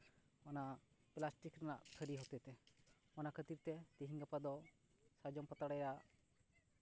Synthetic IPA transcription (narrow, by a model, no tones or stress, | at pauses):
ɔna | plasʈikɾanaʔt̪ʰəɾiɦɔt̪ɛt̪ɛ | ɔnakʰət̪iɾt̪ɛt̪iɦiŋɡapad̪ɔ | sad͡ʒɔmpat̪aɽajɾaʔ